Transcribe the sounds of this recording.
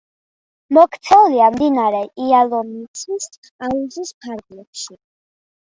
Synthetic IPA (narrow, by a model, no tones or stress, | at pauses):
mɔkʰt̪sʰɛuliamd̪inaɾɛialˠɔmit̪sʰis | auzispʰaɾɡlɛpʃi